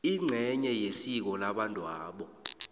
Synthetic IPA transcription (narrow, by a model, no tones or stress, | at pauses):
iŋ͡ǀʱɛɲɛjesik̬ɔlaɓandʼʱwaːɓɔ